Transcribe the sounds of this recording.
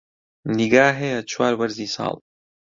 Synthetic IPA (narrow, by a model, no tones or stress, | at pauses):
niɡaːɦeat͡ʃʰwaːɾbɐɾziːsa̰ːl